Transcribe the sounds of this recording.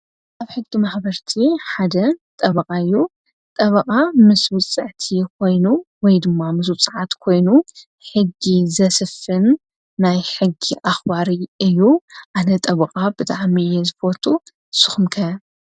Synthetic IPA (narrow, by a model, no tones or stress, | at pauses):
ʔaβħɨɡd̪imaħbɐɾt̪ʰiħad̪ɐt̪ʼɐβɐkʼaɨjːu | t̪ʼɐβɐkʼamɨswʊt͡sʼːɨʕt̪ʰikʰo̞jnuwɔjd̪ɨmːamɨs̬wʊt͡sʼɨʕat̪kʰo̞jnu | ħɨɡizɐsɨfɨnː | ajħɨɡːiʔaxbaɾiɨjːuʔanɐt̪ʼɐβɐkʼabɨt̪ʼaʕmiɨjːɛzɨbo̞t̪ʰu | sɨ̥xmkʰɐ